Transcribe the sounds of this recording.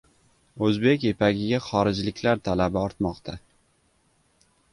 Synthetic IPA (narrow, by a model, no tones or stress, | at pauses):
ɵzbe̞kʲepʰaɡʲɪɡʲaχɒɾɪd͡ʒlɪkʲlaɾt̪ʰalabɪɒɾt̪mɒqt̪ʰa